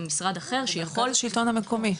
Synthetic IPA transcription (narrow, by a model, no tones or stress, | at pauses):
misʁad̪aχe̞ʁʃejaχo̞lʃilt̪o̞nhameko̞mi